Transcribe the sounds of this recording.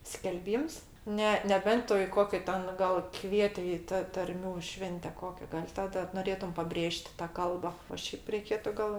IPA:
sʲkʲɛlʲˈbʲiːms ˈnʲɛ nʲɛˈbʲɛnt ˈtʊ ɪ ˈkoːkʲɛ ˈtʲɛn ɡɐlˠ ˈkʋʲiɛtʲɪ ˈɪ tɐ tɐrʲˈmʲuː ˈʃʲʋʲɛnʲtʲɛ ˈkoːkʲɛ ɡɐlʲ tɐˈdɐ noːˈrʲeːtʊm pɐˈbʲrʲeːʃʲtʲ tɐ ˈkɐlˠbɐ oː ˈʃʲɛɪp rʲɛɪˈkʲeːtʊ ɡɐlˠ

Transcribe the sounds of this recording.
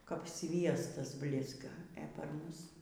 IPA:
kɐp ˈsʲʋʲiɛstɐs ˈbʲlʲɪzɡɐ ɛ pɐr ˈmʊs

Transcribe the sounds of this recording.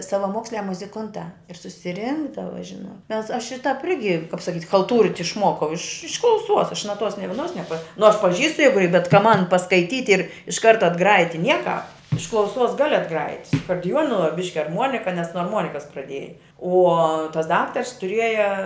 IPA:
sɐʋɐˈmoːksʲlʲæː mʊzʲɪˈkʊntɑː ɪr sʊsʲɪˈrʲɪŋɡdɐʋɐ ˈʒʲɪnoːt ˈmʲɛs ˈɐʃ ɪr tɑːp ˈɪrʲɡʲɪ kɐp sɐˈkʲiːtʲ xɐlˠˈtuːrʲɪtʲ ɪʃˈmuɔkɐʊ ɪʃ ɪʃ klˠɐʊˈsuɔs ɐʃ nɐˈtuɔs nʲɪ ʋʲiɛˈnoːs nʲɛˈpɐ nʊ ɐʃ pɐˈʒʲiːstʊ ˈjæːɡʊ ɪ bʲɛt kɐ ˈmɐn pɐskɐɪˈtʲiːtʲ ɪrʲ ɪʃ ˈkɐrtɐ ɐdˈɡrɑːjɪtʲ tʲɪ ˈnʲiɛkɑːp ɪʃ klˠɐʊˈsuɔs ˈɡɑːlʲɪ ɐdˈɡrɑːjɪtʲ sʊ ɐkoːrʲdʲɪˈjuɔnʊ ʋɐ ˈbʲɪʃʲkʲɪ ɐrˈmuɔnʲɪkɐ nʲɛs nuɔ ɐrˈmuɔnʲɪkɐs prɐˈdʲiɛjɛ uɔ tɐs ˈdɑːktɐrs tʊˈrʲiɛjɛ

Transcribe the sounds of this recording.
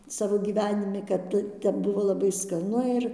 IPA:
ˈsɑːʋoː ɡʲiːˈʋʲæːnʲɪmʲɪ kɐt ˈtʲɛ ˈtʲɛp ˈbʊʋoː lˠɐˈbɐɪ skɐˈnʊ ɪr

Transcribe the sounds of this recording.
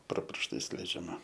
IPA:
proː pʲɪrʃˈtɐɪs lʲɛɪd͡ʒʲɛˈmɐ

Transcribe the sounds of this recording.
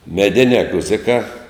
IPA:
mʲɛˈdʲɪnʲɛː ˈɡʊzʲɪkɑː

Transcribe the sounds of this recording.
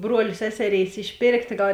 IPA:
ˈbruɔlʲeː ˈsʲæːsʲɛˌrʲeːɪs ɪʃʲˈpʲeːrktʲeː ˈɡɐlˠ

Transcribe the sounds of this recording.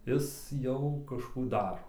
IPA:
ˈɪs ˈjɛʊ kɐʃˈkuː ˈdɑːroː

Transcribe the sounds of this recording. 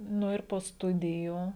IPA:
ˈnʊ ɪr poː ˈstʊdʲɪjuː

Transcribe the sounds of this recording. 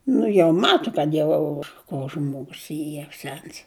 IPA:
ˈnʊ jɛʊ ˈmɑːtʊ kɐt ˈjɛʊ koː ˈʒmoːɡʊs ˈiː jɛʊ ˈsʲɛns

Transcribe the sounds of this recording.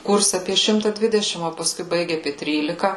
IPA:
ˈkʊrʲsʲɛ ˈɑːpʲiɛ ˈʃʲɪmtɐ ˈdʲʋʲɪdʲɛʃʲɪm oː pɐˈskʊɪ ˈbɐɪɡʲɪ ɐˈpʲiɛ ˈtʲrʲiːlʲɪkɐ

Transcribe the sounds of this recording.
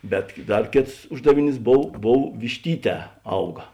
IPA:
ˈbʲɛt ˈdɐr ˈkʲeːts ˈʊʒdɐʋʲɪˌnʲiːs ˈboːw ˈboːw ʋʲɪʃʲˈtʲiːˌtʲɛː ˈɐʊɡɐ

